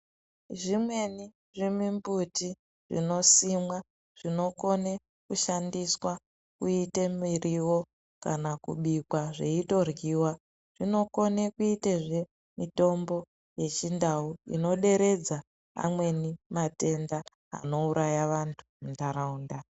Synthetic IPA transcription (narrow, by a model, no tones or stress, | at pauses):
ʐimwe̞ni | ʐimimbuti | ʐ̥ḭno̞simwa | ʐ̥ino̞ko̞ne | kuʃandiswa | kuitemiɾiwo̞ | kanakṵɓikwaʐeito̞rɡiːwa | ʐ̥ino̞ko̞nekuiteʐe̞ | mito̞mbo̞ | je̞t͡ʃindauḭno̞ɗe̞ɾe̞d͡za | a̰mwe̞nimate̞nda | a̰no̞uɾʔajaʋantʰu̥muntaɾauːnda